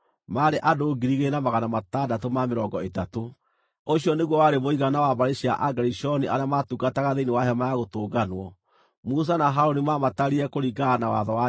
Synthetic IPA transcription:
maːɾeʔadoːɡiɾiɣenamaɣanamatadatomameɾɔɡɔetato | oɕiɔneɣwɔwaɾemoiɣanawaβaɾeɕia̰ʔaɡaɾiʃɔniʔaɾjamatuɡataɣaðeinewaɦamajaɣotoːɡanwɔ | mus̬anaɦaɾonimamataɾiɾɛkoɾiɡanawa̰ðɔa

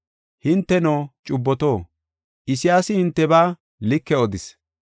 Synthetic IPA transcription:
hɪnt̪ːɛnoːt͡ʃʼʊbːɔt̪o̞ː | ʔɪsɪjaːsɪhɪnt̪ːɛbaː | lɪkːɛɔd̪ɪs

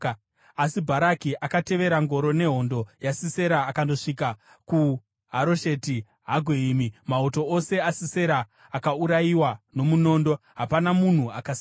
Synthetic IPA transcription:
asibʱaɾakiʔakate̞ʋe̞ɾaŋɡo̞ɾo̞ne̞ɦo̞ndo̞jasise̞ɾaːkando̞ʂika | ku | ɦaɾo̞ʃe̞ti | ɦaɡʱeiːmimauto̞ose̞asiseɾaː | kauɾajiwano̞muno̞ːndo̞ɦapanamun̤uakas

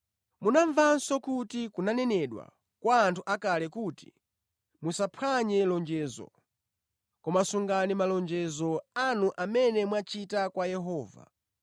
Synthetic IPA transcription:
munaɱvansɔkutikunanɛnɛɗwa̰ | kwaːntʰuʔakalɛkuti̥̰ | musapʰwaɲɛlɔnd͡ʒɛzɔ̰ | kɔmasuŋɡanimalɔnd͡ʒɛzɔanuʔamɛnɛmwat͡ʃitakwajɛɦɔːva̰

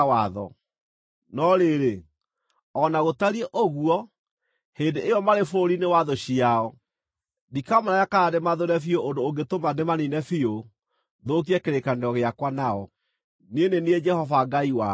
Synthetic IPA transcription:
aðɔ̰ | nɔɾeɾe | ɔnaɣotaɾieʔoɣuɔ | hendeejɔmaɾefoɾinewaðoɕiaɔ | dikamaɾajakaademaðoɾɛfioʔondoːɡetomanemaninɛfio | ðok̬iɛkeɾekaneɔɣeakwanaɔ | nenenied͡ʒɛhɔvaɡaiwa

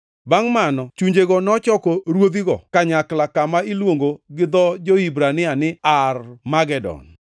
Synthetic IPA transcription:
baŋmanɔt͡ʃuɲd͡ʒeɡɔnɔt͡ʃɔkɔɾwod̪iɡɔ̰kaɲaklakamailwoŋɡoɡɪd̪ɔd͡ʒoibɾanɪanɪarmaɡɛdɔ̰n

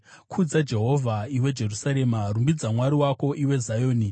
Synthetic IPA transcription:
kʰud͡zad͡ʒe̞ɦo̞vʱaiwe̞d͡ʒe̞rusaɾe̞marumbid͡zamwaɾiwako̞ʔiwe̞zajoːni

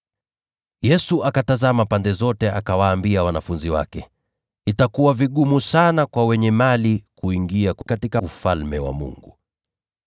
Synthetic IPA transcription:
jɛsuʔakatazamapandɛzɔtɛʔakawaːmbiawanafunziwa̰kɛ | itakuwaviɠumusanakwawɛɲɛmalikuiŋɡiakkatikaufalmɛwa̰mṵŋɡu

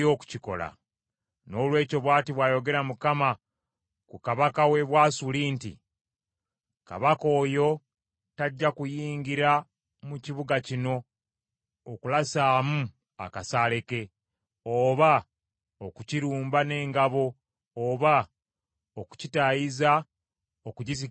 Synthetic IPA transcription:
o̞ːku̥ciko̞̰la̰ | no̞ːlwe̞ːco̞βwaːtiβwaːjo̞ɡe̞ɾamukama | kukaβakawe̞βwaːsuliːntḭ | ka̰βako̞ːjo̞ | taɟːakujiːŋɡiɾa | muciβuɡacino̞ | kulasaːmu | a̰kasaːle̞ke̞ | oːβa | okuciɾuːmbane̞ːŋɡaβo̞ː | βa | oku̥citajiza | okuɟizi

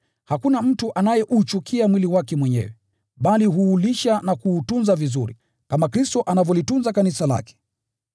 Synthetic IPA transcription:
hakunam̩tuʔanajɛʔut͡ʃukʰiamwiliwakɛmwɛɲɛ̰wɛ | ɓaliɦuːliʃanakuːtunzavizṵɾḭ | kamakɾistɔʔanavɔlitunzakanisala̰kɛ̥

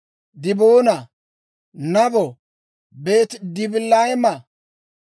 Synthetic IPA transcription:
d̪ɪboːnɐ | nɐbɔ | be̞ːt̪d̪ɪbɪlːɐɪmɐ

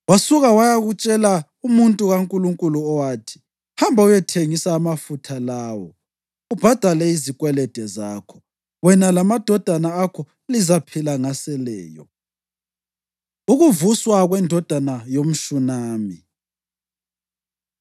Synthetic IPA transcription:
wasuɣawajaɣut͡ʃʼɛla | umuntʼuɣaŋkʼuluŋkʼuluɔwaːtʰi̥ | hambʱaujɛtʰeŋisaːmafutʰalaːwɔ̰ | ub̥ʱad̥ʱalɛizikʼwɛlɛd̥ʱɛzaːkʰɔ | wɛnalamad̥ʱɔd̥ʱanaːkʰɔ | lizapʰilaŋasɛlɛːjɔ̰ | uɣuvuswaɣwɛndʱɔd̥ʱanajom̩ʃunaːmi

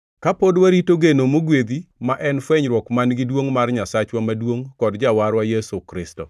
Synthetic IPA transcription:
kapodwaɾitoɡenomoɡwed̪imaʔɛnfwɛɲɾwɔkmanɡɪdwoŋmarɲasat͡ʃwamadwoŋkɔdd͡ʒawaɾwajesukɾɪstɔ̰

